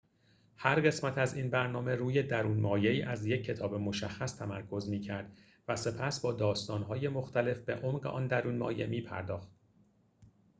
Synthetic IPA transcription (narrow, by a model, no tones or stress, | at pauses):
hæɾɢe̞smæt̪ʰæzinbæɾnɒːme̞ɾuːje̞d̪æɾuːnmɒːje̞iːʔæzje̞cʰːe̞t̪ʰɒːbemo̞ʃæxːæst̪ʰæmæɾkʰo̞zmiːcʰæɾd̪̥ | væse̞pʰæsbɒːd̪ɒːst̪ɒːnɦɒːje̞mo̞xt̪ʰæle̞fb̥e̞̰ʔomɢeʔɒ̰ːnd̪æɾuːnmɒ̰ːje̞̰miːpʰæ̰ɾd̪ɒːxt̪̚